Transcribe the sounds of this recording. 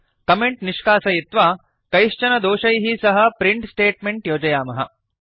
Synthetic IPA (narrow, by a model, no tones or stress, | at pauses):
kɐmeɳʈniʂkaːsɐjit̪ʋaː | kɐjʂt͡ʃɐnɐd̪oːʃɐjɦisɐɦɐ̆pɾiɳʈsʈeːʈ̚meɳʈjoːd͡ʒɐjaːmɐɦɐ̰